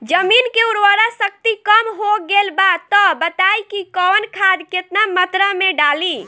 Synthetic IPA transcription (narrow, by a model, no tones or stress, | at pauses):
d͡ʒəminkeuɾʋəɾasək̚t̪ikəmɦoɡelbat̪ɔbət̪ajkikɔnkʰad̪ket̪namət̪ɾəmeɖali